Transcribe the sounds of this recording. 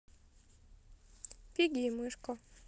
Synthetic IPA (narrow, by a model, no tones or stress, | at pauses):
pʲiɡʲimɨʂkɔ